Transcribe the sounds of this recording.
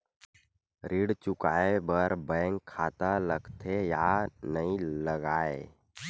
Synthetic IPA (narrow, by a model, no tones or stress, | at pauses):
ɾiːɽt͡ʃʊkaːebəɾbə̃ŋkʰːaːt̪aləɡt̪ʰejanəɦĩləɡaːe